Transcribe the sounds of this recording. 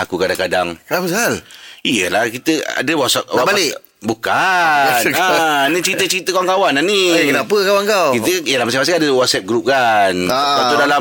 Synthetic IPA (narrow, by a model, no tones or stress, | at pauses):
akukadaŋkadaŋknapəsalijəlahkit̪əa̰dəwɔt̪sɛp̚wabalɪ | bukanənit͡ʃɾit̪ət͡ʃɾit̪əkawaŋkawananiekənapəkawaŋkawkit̪əijəlamas̬ɛmas̬ikadəwɔt̪̚sɛp̚ɡɾup̚kanat̪udala